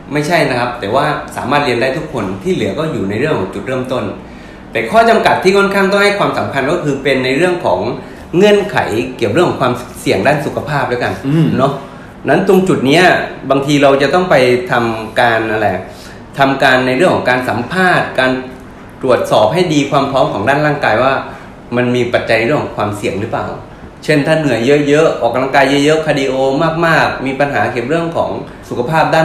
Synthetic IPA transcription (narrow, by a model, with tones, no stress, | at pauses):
ma˥˩jt͡ɕʰa˥˩jna˦˥kʰa˦˥p̚t̪ɛː˨˩waː˥˩saː˩˦maː˥˩t̪̚ɾi˧əndaː˥˩jt̪ʰu˦˥kʰːo˧nt̪ʰiː˥˩lɯ˩˦ɐkɔː˥˩juː˨˩na˧jɾɯ˥˩əŋkʰɔː˨˦t͡ɕu˨˩t̪̚ɾɤː˥˩˨mt̪o˥˩n | t̪ɛː˨˩kʰɔː˥˩t͡ɕa˧mka˨˩t̪ʰːiː˥˩kʰɔ˥˩nkʰa˥˩ŋt̪ɔ˥˩ha˥˩jkwaː˧msa˩˦mpʰa˧nkɔː˥˩kʰɯː˧pe˧nːa˧jɾɯ˥˩əŋkʰɔː˩˦ŋː | ɤ˧˥˩ənkʰa̰˩˦jki˨˩wɾɯ˥˩ŋkʰːɔ˨˦ŋkʰwaː˧msi˨˩əŋdaː˥˩nsu˨˩kʰa˧pʰaː˥˩p̚da˦˥wka˧nnɔ˦˥ | na˦˥nt̪u˧ŋt͡ɕu˨˩t̪̚ni˦˥ba˧ŋt̪ʰiː˧ɾa˧wt͡ɕa˨˩t̪ɔ˥˩ŋpa˧jt̪ʰa˧mkaː˧nʔa˧ɾa˧j | t̪ʰa˧mkaː˧nːa˧jɾɯ˥˩kʰɔː˩˦ŋkaː˧nsa˩˦mpʰaː˥˩t̪̚kaː˧n | t̪ɾu˨˩ət̪̚sɔː˨˩p̚ha˥˩jdiː˧kʰwaː˧mpʰɾɔː˦˥mkʰɔː˩˦ŋdaː˥˩nɾaː˥˩ŋkaː˧jwaː˥˩ | ma˧nmiː˧pa˨˩t̪̚t͡ɕa˧jn˧ɾɯ˥˩əŋkʰɔ˩˦ŋkʰwaː˧msi˨˩əŋɾɯː˦˥pla̰ː˨˩w | t͡ɕʰe˥˩nt̪ʰaː˥˩nɯ˨˩˦əjɤ˦˥ʔjɤ˦˥ʔɔː˨˩k̚laː˥˩ŋkaː˧jːɤ˦˥ʔjɤ˦˥ʔkʰaː˧diː˧ʔoː˧maː˥˩k̚maː˥˩k̚miː˧pa˧nɦaː˩˦kʰeː˨˩p̚ɾɯ˥˩əŋkʰɔ̰ː˩˦ŋ | su˨˩kʰa˧pʰaː˥˩p̚daː˥˩n